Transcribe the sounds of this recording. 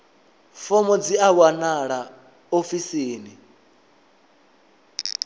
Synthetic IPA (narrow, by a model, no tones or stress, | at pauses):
fɔmɔd͡ziawanaɺa | ofisiːni